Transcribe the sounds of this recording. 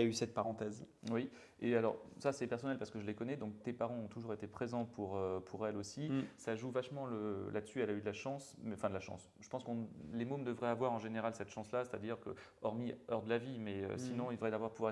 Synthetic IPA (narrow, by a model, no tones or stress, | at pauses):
aysɛt̪̚paʁɑ̃t̪ɛzwi | ealɔ̰ʁsasɛpɛʁsɔnɛlpaʁsəkəʒəlekɔnɛd̪ɔ̃k̚t̪epaʁɑ̃ɔ̃t̪uʒuʁet̪epχezɑ̃pʰuʁøpʰuʁɛlosisaʒuvaʃmɑ̃ləlad̪əsyalayd̪əlaʃɑ̃smɛɑ̃fɛ̃d̪əlaʃɑ̰̃s | ʒ̥ə̥pɑ̃skɔ̃lemomd̪əvʁɛavwaʁɑ̃ʒeneʁalsɛt̪ʃɑ̃slase̥t̪ad̪iʁkə̰ɔʁmiœʁd̪əlavimɛø̰sinɔ̃ilvʁɛd̪avwaʁpuvwa